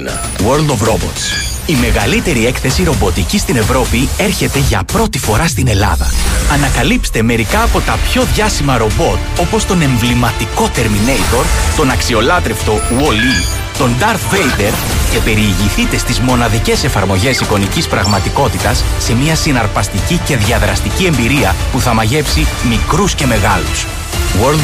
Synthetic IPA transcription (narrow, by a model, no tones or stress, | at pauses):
woɾld̪ovɾobo̰t̪s | ime̞ɣɐlit̪e̞ɾie̞kθe̞siɾo̞bo̞t̪icist̪ine̞vɾo̞pie̞ɾçe̞t̪e̞ʝɐ̰pɾo̞t̪ifo̞ɾɐst̪ine̞lɐ̰ðɐ̰ɐnɐkɐlipst̪e̞me̞ɾikɐːpo̞t̪ɐpço̞ðʝɐsimɐɾo̞bo̞t̪o̞po̞st̪o̞ne̞ɱvlimɐt̪iko̞t̪e̞ɾmine̞jt̪o̞ɾt̪o̞nɐksio̞lɐt̪ɾeft̪o̞uoli | t̪o̞nd̪ɐɾt̪vejd̪e̞ɾ | ce̞pe̞ɾieʝiθit̪e̞st̪izmo̞nɐðice̞se̞fɐɾmo̞ʝe̞siko̞nicispɾɐɣmɐt̪iko̞t̪it̪ɐsːe̞miɐsinɐɾpɐst̪icice̞ðʝɐðɾɐst̪icie̞mbiɾiɐpuθɐmɐʝe̞psimikɾusce̞me̞ɣɐlus | woɾl